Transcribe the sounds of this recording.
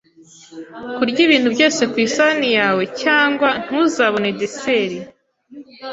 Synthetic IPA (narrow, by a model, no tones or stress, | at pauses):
kuɾɟiβiːn̥hubɟo̞ːse̞kwiːsaːnijaːwe̞caːŋɡwan̥huzaβo̞nedeseɾi